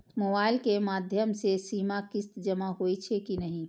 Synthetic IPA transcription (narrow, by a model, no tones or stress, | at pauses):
moːbaːɪlkemaːd̪ʱjəmsesiːmakɪst̪d͡ʒəmaɦoit͡ʃʰekinəɦĩ